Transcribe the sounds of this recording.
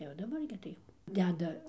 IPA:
jɛʊ dɐˈbɐr ɡʲɪ ˈtɐɪ jɛʊ ˈdʲæːdɐ

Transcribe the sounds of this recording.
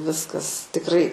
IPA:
ˈʋʲɪskɐs tʲɪkˈrɐɪ

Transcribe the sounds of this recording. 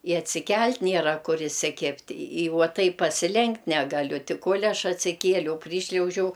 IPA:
ɪ ɐtʲsʲɪˈkʲɛlʲtʲ ˈnʲiɛrɐ ˈkʊr ɪsʲɪˈkʲɪpʲtʲ ɪ ˈʋuɔ ˈtɐɪp pɐsʲɪˈlʲɛŋktʲ ˈnʲæːɡɐˌlʲʊ ˈtʲɪ ˈkoːlʲ ˈɐʃ ɐtʲsʲɪˈkʲiɛlʲɛʊ ˈpʲrʲiːʃʲlʲɛʊʒʲɛʊ

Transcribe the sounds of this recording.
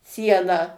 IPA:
ˈsʲiɛnɑː

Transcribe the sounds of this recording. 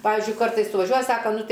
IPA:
ˈpɑːʋʲɪzʲd͡ʒʲʊɪ ˈkɐrtɐɪs sʊʋɐˈʒʲuɔjɛ ˈsɑːkɐ ˈnʊ ˈtɐɪ

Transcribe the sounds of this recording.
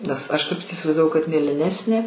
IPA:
nʲɛs ˈɐʃ ˈtɐɪp tʲiː iːsʲɪʋɐɪzdɐˈʋɐʊ kɐt mʲeːlʲɪˈnʲæːsʲnʲeː

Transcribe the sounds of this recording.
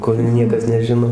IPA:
ˈkʊr ˈnʲiɛkɐs nʲɛˈʒʲɪnoː

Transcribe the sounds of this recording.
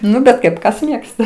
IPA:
ˈnʊ bʲɛt ˈkɐɪp ˈkɐs ˈmʲeːkstɐ

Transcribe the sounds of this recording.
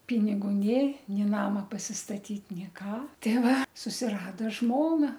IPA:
ˈpʲɪnʲɪɡʊ ˈnʲeː ˈnʲeː ˈnɑːmɐ pɐsʲɪstɐˈtʲiːt ˈnʲeː ˈkɑː ˈtʲɛɪ ˈʋɐ sʊsʲɪˈrɑːdoː ˈʒmoːnɐ

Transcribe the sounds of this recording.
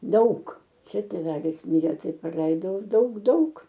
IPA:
ˈdɐʊk ˈt͡ʃʲɛ tʲeːˈʋʲæːlʲɪs ˈmʲɪrʲeː ˈtɐɪ prɐˈlʲɛɪdɐʊ ˈdɐʊk ˈdɐʊk

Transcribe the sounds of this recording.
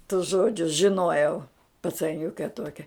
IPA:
tʊs ˈʒoːd͡ʒʲʊs ʒʲɪˈnoːjɛʊ pɐt͡sɐˈnʲʊkʲɛ ˈtuɔkʲɛ

